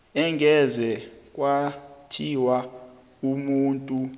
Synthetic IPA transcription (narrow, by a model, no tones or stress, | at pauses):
ɛŋɡʱɛzɛk̬ʼwatʰiwa | umuːntʼu